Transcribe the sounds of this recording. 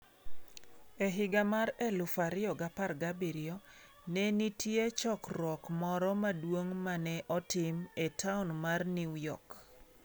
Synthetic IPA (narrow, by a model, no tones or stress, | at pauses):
eɦɪɡamaɾɛlʊfaɾɪɔɡaparɡabiɾiɔ | nɛnitjet͡ʃɔkrɔkmɔɾɔmadwoŋmanɛʔɔtɪmetʰaʊnmarnijɔ̰k